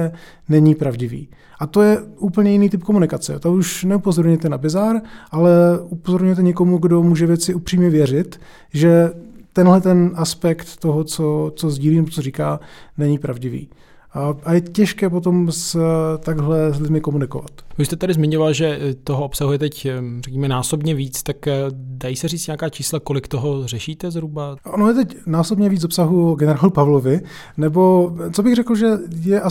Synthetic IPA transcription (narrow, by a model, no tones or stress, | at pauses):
ɛ | nɛɲipɾavɟɪvḭː | ʔat̪o̞jɛʔuːpl̩ɲɛjɪniːt̪ɪp̚ko̞munɪkat͡sɛ̰t̪auʃnɛupozoɾɲɛt̪ɛnabɪzaɾʔalɛupozo̞ɾɲujɛt̪ɛɲɛkomuɡdo̞muːʒɛvjɛt͡sɪupr̥iːmɲɛvjɛr̝ɪt̪ | ʒɛt̪ɛnɦlɛt̪ɛnʔaspɛkt̪ːoɦot͡sot͡so̞zɟiːliːnɛbot͡soriːkaːnɛɲɪpɾavɟɪvḭː | ajɛcɛʃkɛːp̬ot̪̬o̞mst̪aɡɦlɛslɪdmɪkomunɪko̞̰va̰t̪vɪʃst̪ɛt̪adɪzmɪɲovalʒɛt̪oɦoʔopsaɦujɛt̪ɛcrɛkɲiːmɛnaːsobɲɛviːt͡st̪akdajiːsɛriːt͡st̪ɲaakaːt͡ʃiːslakolɪkt̪oɦor̝ɛʃiːt̪ɛzɾubaʔonojɛt̪ɛcnaːsobɲɛviːt͡szopsaɦuɡɛnɛɾaːlupavlovɪ | nɛbo̞t͡so̞bɪɣrɛkl̩ʒɛjɛʔa